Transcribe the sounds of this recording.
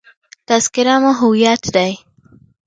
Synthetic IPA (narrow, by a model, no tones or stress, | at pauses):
t̪askɪɾamaɦʊwijat̪d̪aj